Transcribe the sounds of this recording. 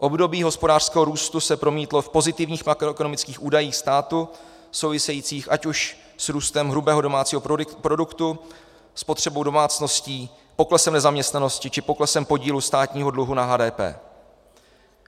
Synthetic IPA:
ʔo̞bdo̞biːɦo̞spo̞daːr̥skɛːɦoɾuːst̪usɛpɾo̞miːt̪lo̞fpo̞zɪt̪ɪvɲiːxmakɾoɛkono̞mɪt͡skiːxʔuːdajiːxst̪aːt̪u | so̞wvɪsɛjiːt͡siːxʔacuʃ | sɾuːst̪ɛmɦɾubɛːɦo̞do̞maːt͡siːɦopɾo̞dukt̪u | spot̪r̝̥ɛbo̞wdo̞maːt͡sno̞sciː | po̞klɛsɛmnɛzamɲɛst̪nano̞scɪt͡ʃɪpo̞klɛsɛmpo̞ɟiːlust̪aːt̪ɲiːɦo̞dluɦunaɦaːdɛːpɛ̰ː

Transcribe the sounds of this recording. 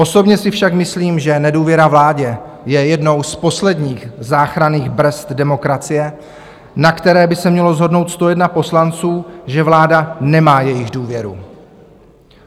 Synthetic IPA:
ʔo̞so̞bɲɛsɪfʃakmɪsliːmʒɛnɛduːvjɛɾavlaːɟɛ | jɛjɛdno̞wspo̞slɛdɲiːxzaːxɾaniːɣbɾ̩st̪dɛmo̞kɾat͡sɪjɛ | nakt̪ɛɾɛːbɪsɛmɲɛlo̞zɦo̞dno̞wt̪st̪o̞jɛdnapo̞slant͡suːʒɛvlaːdanɛmaːjɛjɪɣduːvjɛɾṵ

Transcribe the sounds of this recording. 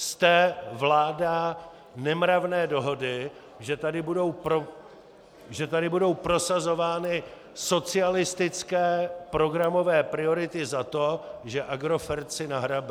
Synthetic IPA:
st̪ɛvlaːda | nɛmɾavnɛːdo̞ɦo̞dɪ | ʒɛt̪adɪbudowpɾo | ʒɛt̪adɪbudo̞wpɾo̞sazo̞vaːnɪ | so̞t͡sɪalɪst̪ɪt͡skɛːpɾo̞ɡɾamo̞vɛːpɾɪo̞ɾɪt̪ɪzat̪o̞ʒɛʔaɡɾo̞fɛɾt͡sɪnaɦɾabɛ

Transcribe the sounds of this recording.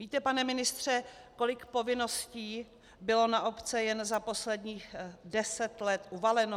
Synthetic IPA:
viːt̪ɛpanɛmɪnɪst̪r̝̥ɛ | ko̞lɪkpo̞vɪno̞sciː | bɪlo̞naʔopt͡sɛjɛnzapo̞slɛdɲiːɣdɛsɛt̪lɛt̪ʔuvalɛno

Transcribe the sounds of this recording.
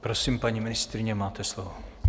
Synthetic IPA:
pɾosiːmpaɲimɪnɪst̪ɾɪɲɛmaːt̪ɛslovo

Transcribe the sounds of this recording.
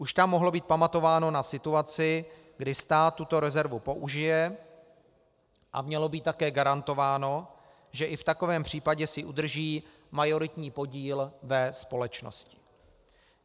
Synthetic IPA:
ʔuʃt̪amːo̞ɦlo̞biːt̪̚pamat̪o̞vaːno̞nasɪt̪uat͡sɪ | ɡdɪst̪aːt̪ːut̪o̞ɾɛzɛɾvupo̞ʔuʒɪjɛ | ʔa̰mɲɛlo̞biːt̪ːakɛːɡaɾant̪o̞vaːno̞ | ʒɛʔɪft̪ako̞vɛːmpr̝̥iːpaɟɛsɪʔud̪r̩ʒiː | majo̞ɾɪt̪ɲiːpo̞ɟiːlvɛspo̞lɛt͡ʃno̰scɪ̥

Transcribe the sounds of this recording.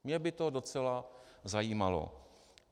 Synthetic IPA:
mɲɛbɪt̪odot͡sɛlazajiːmalo̰

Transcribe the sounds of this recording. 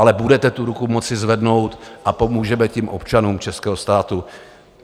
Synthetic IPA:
alɛbudɛt̪ɛt̪uɾukumo̞t͡sɪzvɛdno̞wt̪ʔapo̞muːʒɛmɛcɛmʔo̞̰pt͡ʃanuːmt͡ʃɛskɛːɦo̞st̪aːt̪u

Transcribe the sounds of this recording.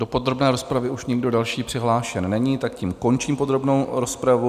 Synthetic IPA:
do̞po̞d̪ɾo̞bnɛːɾospɾavɪuʃɲɪɡdo̞dalʃiːpr̥ɪɦlaːʃɛnːɛɲiːt̪akcimko̞nt͡ʃiːmpo̞d̪ɾo̞bnowɾo̞spɾavu

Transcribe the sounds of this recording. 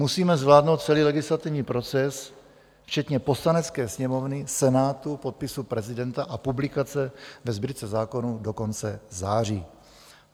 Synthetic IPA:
musiːmɛzvlaːdno̞wt̪̚t͡sɛliːlɛɡɪslat̪ɪvɲiːpɾo̞t͡sɛs | ft͡ʃɛt̪ɲɛpo̞slanɛt͡skɛːsɲɛmo̞vnɪsɛnaːt̪upo̞t̪̚pɪsupɾɛzɪdɛnt̪aʔapublɪkat͡sɛvɛzbɪɾt͡sɛzaːko̞nudo̞ko̞nt͡sɛzaːr̝iː

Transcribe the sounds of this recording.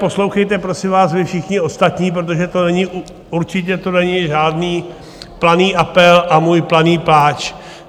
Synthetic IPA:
po̞slowxɛjt̪ɛpɾo̞sɪmvaːsvɪfʃɪxɲɪo̞st̪at̪ɲiːp̬ɾot̪̬o̞ʒɛt̪o̞nɛɲɪ | uɾt͡ʃɪcɛt̪onɛɲɪʒaːdniː | planiːʔapɛlʔamuːjplaniːplaːt͡ʃ

